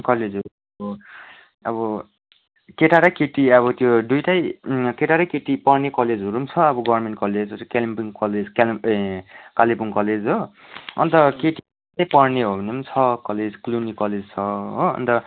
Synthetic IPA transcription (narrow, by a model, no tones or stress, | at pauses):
kʌled͡zɦoɾu | ʌbɔ | ʌbʌ | keʈaɾakeʈiʌbʌt̪joɖujʈajkeʈaɾajkeʈipʌrnekʌled͡zɦuɾumt͡sʰʌːbʌɡʌbrmeɳʈkʌled͡zot̪jokelimpiŋkʌled͡zka | kalipuŋkʌled͡zɦo | ʌ̰nt̪ʌkeʈi | t̪ajpʌrneɦobʱʌnunt͡sʰʌkʌled͡zklunikʌled͡zt͡sʰʌɦoʌ̰nt̪ʌ